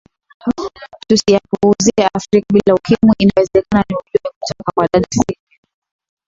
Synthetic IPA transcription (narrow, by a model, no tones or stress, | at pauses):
tusijapuuziɛafɾikaɓilaukimuʔinawɛzɛkananiuʄumikutʰɔkakwaɗaɗasiki